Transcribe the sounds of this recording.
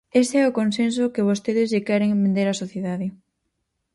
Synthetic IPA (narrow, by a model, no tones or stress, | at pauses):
est̪eɛʊkonsensokeβ̞ost̪eðɪzʝekɛɾeŋmbẽnd̪eɾɐsoθjeðaðɪ